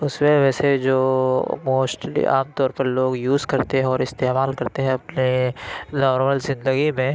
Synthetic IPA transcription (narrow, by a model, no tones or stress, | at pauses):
ʊsmẽʋɛːsed͡ʒoːmoːsʈḭa̰ːmt̪ɔːɾpɐɾloːɡjuːzkɐɾt̪eɦɛ̃ɔːɾɪst̪eːmaːlkɐɾt̪eɦɛ̃ɐpnezaːɾʋəlzɪ̃nd̪əɡimẽ